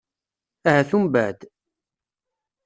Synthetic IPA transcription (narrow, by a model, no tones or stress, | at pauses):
æhæθumbæʕd̪